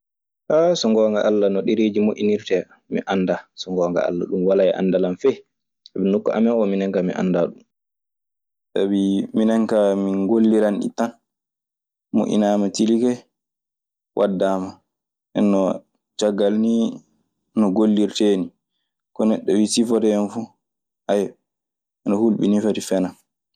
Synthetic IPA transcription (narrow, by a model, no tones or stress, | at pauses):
ʔasɔŋɡɔːŋɡa̰ʔalːanɔɗiɾed͡ʒimoʔiniɾtɛ | mḭʔanːdasɔŋɡɔːŋɡa̰a̰lːa̰ɗumwalajɛʔa̰ndalamfɛj | sabinukːɔʔa̰mɛɔminɛŋkamiʔa̰ndaɗum | sabiminɛŋkaminɡolːiɾanɗḭtan | mṵʔḭnamatilikɛ | wʔadːaːma | ʔɛ̰nːɔ | t͡ʃaɡːalni | nɔɡolːiɾteːni | kɔnɛɗːɔwisifɔdɛɛnfu | haj | ɛnɔhulɓḭnifaɾifɛnan